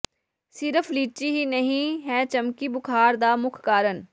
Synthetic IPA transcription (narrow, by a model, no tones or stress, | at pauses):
sɪɾəfʰliːt͡ʃiɦiːnəɦĩɦɛːt͡ʃəmkibʊkʰaːɾd̪aːmʊkʰkaːɾən